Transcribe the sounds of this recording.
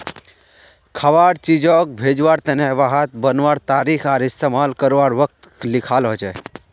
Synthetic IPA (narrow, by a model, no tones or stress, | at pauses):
kʰəʋaɽt͡ʃid͡ʒɔ̃k̚bʱeːd͡ʒʋaɾt̪ənɛʋaɦat̪̚bənʋaɾt̪aːɾikʰaːɾɪst̪emaːlkəɾʋaɾʋək̚t̪klɪkʰaːlɦɔt͡ʃɛ